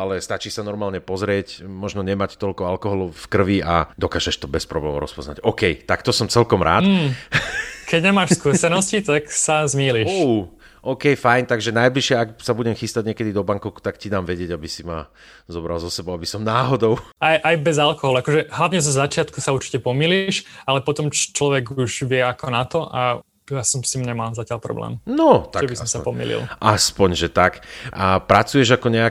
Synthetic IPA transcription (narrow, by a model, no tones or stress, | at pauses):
alɛst̪at͡ʃiːʃsanɔɾmaːlɲɛpɔzɾɪɛcmɔʒnɔɲɛmact̪ɔʎkɔalkɔɦɔlɔʊfkr̩ʋia̰d̪ɔkaːʒɛʃt̪ɔbɛspɾɔ̰blɛ̰mɔ̰ʊɾɔ̰spɔ̰zna̰ɟɔkɛjt̪akt̪ɔsɔmt͡sɛlkɔmɾʔa̰ːt̪ː | kʰɛɟɲɛmaːʃskusɛnɔscit̪aksazmiːliuʃ | ʔɔkɛjfajnt̪aɡʒɛnajbliʃɪɛaksabuɟɛmxist̪aɟɲɛkɛd̪id̪ɔbaŋkɔkt̪akcid̪aːmʋɛɟɪɛɟabisima | zɔbɾalzɔsɛbɔʊabisɔmnaːɦɔd̪ɔʊajʔajbɛzalkɔɦɔlˠakɔʒɛɦlaʋɲɛzɔzat͡ʃɪat̪kusauɾt͡ʃi̥cɛpɔmiːliʃalɛpɔt̪ɔmt͡ʃlɔʋɛɡuʒʋɪɛakɔnat̪ɔʔa | jasɔmsimɲɛmalzacɪaʎpɾɔ̰blɛ̰ːmnɔtt̪aʒɛbisɔmsapɔmḭlḭlˠʔaspɔɲʒɛt̪akʔapɾat͡sujɛʒakɔɲɛa